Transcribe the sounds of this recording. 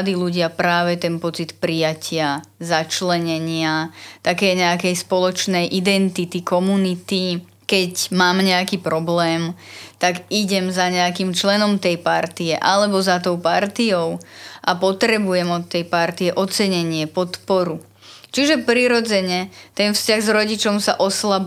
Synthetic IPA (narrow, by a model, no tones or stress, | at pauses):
d̪iːluɟɪapɾaːʋɛt̪ɛnpɔt͡sit̪pɾijacɪazat͡ʃlɛɲɛɲɪat̪akɛːɲɛakɛjspɔlɔt͡ʃnɛjʔid̪ɛnt̪it̪ikɔmunit̪i | kɛcmaːmɲɛakipɾɔblɛːmt̪aɡiɟɛmzaɲɛakimt͡ʃlɛnɔmt̪ɛjpaɾt̪iɛʔalɛbɔzat̪ɔʊpaɾt̪iɔʊʔapɔt̪ɾɛbujɛmɔt̪ːɛjpaɾt̪iɛʔɔt͡sɛɲɛɲɪɛpɔt̪pɔɾu | t͡ʃiʒɛpɾiɾɔd͡zɛɲɛt̪ɛnfscaɣzɾɔɟit͡ʃɔmsa̰ʔɔslab